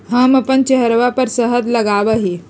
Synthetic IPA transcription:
ɦãmapənt͡ɕeɦɾʋapəɾsəɦəd̪ləɡaʋəɦi

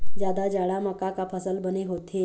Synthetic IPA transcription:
d͡ʑjad̪ad͡ʑaɽaməkakapʰəsəlbəneɦot̪ʰe

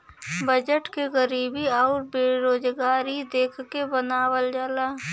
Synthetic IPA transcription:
bəd͡ʒəʈkeɣəɾiːbiɔːɾbeɾoːd͡ʒɡaːɾid̪eːkʰkebənaːwəld͡ʒəlaː

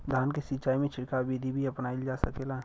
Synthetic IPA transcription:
d̪ʱaːnkesɪt͡ʃaːimẽt͡ʃʰɪʈkabid̪ʱibʱiɐpnaːild͡ʒasəkeːlaː

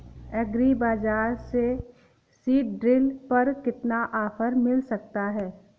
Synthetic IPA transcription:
ɛɡɾibaːzaːɾse | siːʈ̚ɖɾɪlpɐɾkɪt̪naʔaːfʰəɾmɪlsɐk̚t̪aɦɛː

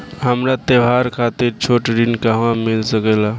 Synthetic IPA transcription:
ɦəmɾat̪eʋaɾkʰat̪iɾt͡ʃʰoʈɾinkəɦʋãmilsəkɛla

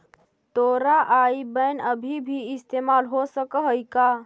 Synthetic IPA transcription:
t̪oɾaʔaibənəbʱibʱiɪst̪emalɦosəkəɦəjka

